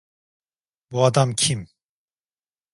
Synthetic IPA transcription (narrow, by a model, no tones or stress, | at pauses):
buad̪amcʰim